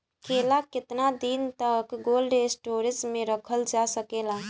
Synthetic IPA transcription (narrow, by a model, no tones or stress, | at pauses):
kʰelakɪt̪nad̪int̪əkɡolɖesʈoɾid͡ʒmeɾəkʰəld͡ʒasəkela